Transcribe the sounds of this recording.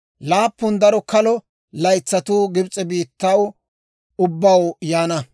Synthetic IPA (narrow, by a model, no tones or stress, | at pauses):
laːpːʊnd̪ɐɾɔkɐlɔ | lɐjt͡sːɐt̪uːɡɪbt͡sʼɛbiːt̪ːɐw | ʊbːɐwjaːnɐ